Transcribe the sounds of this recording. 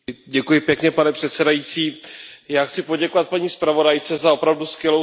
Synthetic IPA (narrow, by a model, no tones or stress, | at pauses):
ɟɛkujɪpjɛkɲɛpanɛpr̝̥ɛt̪sɛdajiːt͡siːjaːxt͡sɪpo̞ɟɛkovat̪̚paɲiːspɾavo̞dajt͡sɛzao̞pɾavduskvjɛlo